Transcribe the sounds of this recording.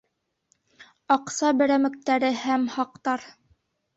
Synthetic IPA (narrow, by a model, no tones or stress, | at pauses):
ɑqsɑbɘ̆ɾæmɘ̆k̚t̪æɾɘhæmhɑq̚t̪ɑɾ